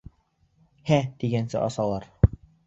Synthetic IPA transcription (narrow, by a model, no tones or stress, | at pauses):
hæt̪iɡænsɘ̰ʔɑ̰sɑlˠɑɾ